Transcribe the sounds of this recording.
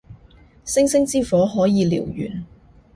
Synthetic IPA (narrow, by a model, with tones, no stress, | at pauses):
sɪ˥ŋsɪ˥ŋt͡siː˥fɔː˨˥ɦɔː˨˥jiː˨˧lḭː˨˩wjy̰ː˨˩n